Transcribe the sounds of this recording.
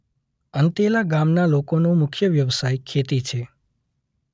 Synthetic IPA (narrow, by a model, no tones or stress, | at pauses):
ənt̪elaɡamnalokonũmʊkʰjəʋjəʋsajkʰet̪it͡ʃʰe